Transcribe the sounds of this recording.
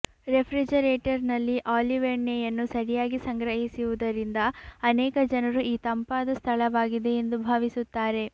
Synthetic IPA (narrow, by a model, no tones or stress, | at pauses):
ɾepʰɾid͡ʒɐɾeːʈɐɾnɐlːiʔaːliʋeɳːejɐnːusɐɾijaːɡisɐŋɡɾɐɦisiʋud̪ɐɾind̪ɐːnɛːkɐd͡ʒɐnɐɾuʔiːt̪ɐmpaːd̪ɐst̪ʰɐɭɐʋaːɡid̪e̞end̪ubʱaːʋisut̪ːaːɾe̞